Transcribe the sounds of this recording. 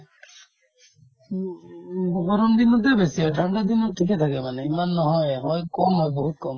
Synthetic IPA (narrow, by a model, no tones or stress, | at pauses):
ɡɡɔɾɔmd̪inɔt̪ebesiɦɔjʈʰaɳɖad̪inɔʈʰiket̪ʰakemaneimanːɔɦɔjɦɔjkɔmɦɔjbɔɦut̪̚kɔm